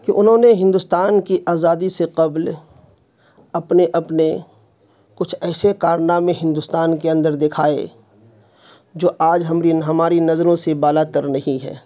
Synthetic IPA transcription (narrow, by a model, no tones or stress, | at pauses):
kiʔʊnɦõːneɦɪ̃nd̪ʊst̪aːnkiʔaːzaːd̪iseqɐbl | ɐpneʔɐpne | kʊt͡ʃʰɛːsekaːɾnamẽɦɪ̃nd̪ʊst̪aːnkeɐ̃nd̪əɾd̪ɪkʰaːḛ | d͡ʒoːʔaːd͡ʒɦɐmɾiɦɐmaːɾinɐzɾõsebaːlat̪əɾnɐɦĩɦɛ̰ː